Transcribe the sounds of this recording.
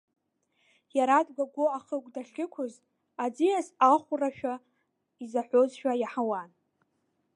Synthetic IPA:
jaɾadɡʷaɡʷoaχəkʷʼdaχʲɪkʷʰʊz | ad͡zijazaχʷʊraʃᶣa | izaħʷozʃᶣajaħawan

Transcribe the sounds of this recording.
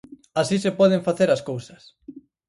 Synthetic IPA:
asisepɔð̞eɱfaθeɾɐskowsɐ̥s

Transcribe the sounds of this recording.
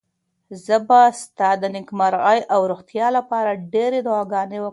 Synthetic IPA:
zəbast̪ɑd̪ənɪkmaɾɣɑjʔawɾoxt̪jɑlapɑɾaɖeɾed̪ʊɑɡɑnewə

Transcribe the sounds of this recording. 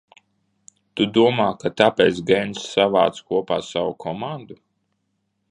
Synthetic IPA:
t̪ud̪uɔmaːkat̪apɛːt̪sɡɛnsava̰ːt̪skuɔpaːsawukʰɔmand̪u

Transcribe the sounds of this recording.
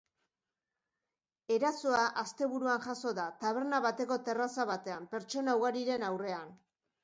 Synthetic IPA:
e̞ɾasoaʔast̪e̞βuɾuanʝaso̞ðat̪aβ̞e̞ɾnaβat̪e̞ko̞t̪e̞rasaβat̪e̞ampe̞ɾt͡ʃo̞nauɣaɾiɾe̞nawre̞an

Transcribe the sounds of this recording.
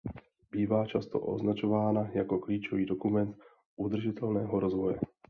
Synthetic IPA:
biːvaːt͡ʃast̪o̰ʔo̰znat͡ʃovaːnajakokliːt͡ʃoviːdokumɛnt̪ | ʔud̪r̩ʒɪt̪ɛlnɛːɦoɾozvojɛ̰

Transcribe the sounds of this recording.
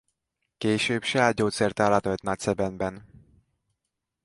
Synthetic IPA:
keːʃøːbʃɛaːd̪̚ɟoːt̪sɛrt̪alɒt̪ot̪nɒc̚sɛbɛnbɛn

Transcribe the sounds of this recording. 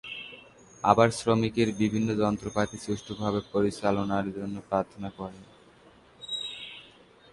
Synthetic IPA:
a̰baɾsɾomikeɾbibʱinːod͡ʑɔnt̪ɾopat̪isuʃʈʰobʱabepoɾit͡ɕalonaɾd͡ʑonːopɾaɾt̪ʰonakɔɾe

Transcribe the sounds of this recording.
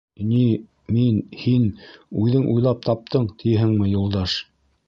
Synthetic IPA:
ni | minhinʉðɘŋʔujlˠɑp̚t̪ɑp̚t̪ʰɤɴt̪ʰijɦɘŋmɘjulˠd̪ɑʃ

